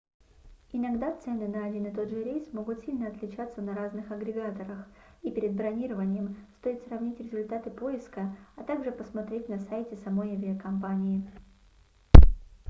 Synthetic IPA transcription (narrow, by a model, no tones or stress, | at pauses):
ɪnɐɡd̪at̪sɛnɨnɐɐdʲinɨt̪o̞dʐɨɾʲejsmo̞ɡʊt̪sʲilʲnəɐt̪lʲɪt͡ɕat̪sənɐɾaznɨxɐɡɾʲɪɡat̪əɾəx | ipʲɪɾʲɪd̪̚bɾɐnʲiɾəvənʲɪjəmst̪o̞ɪt̪srɐvnʲitʲɾʲɪzʊlʲt̪at̪ɨpo̞ɪskəɐt̪aɡʐɨpəsmɐt̪ɾʲetʲnɐsajtʲɪsɐmo̞jɐvʲɪəkɐmpanʲɪɪ